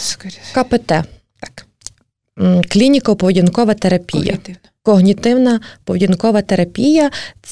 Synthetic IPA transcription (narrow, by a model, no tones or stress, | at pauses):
kɐpɛt̪ɛ | k | klʲinʲikɐɔpɔʋdʲinkɔʋɐt̪eɾɐpʲḭjjɐ̰ | kɔɦnʲit̪ɪwnɐpɔʋdʲinkɔʋɐt̪eɾɐpʲijɐ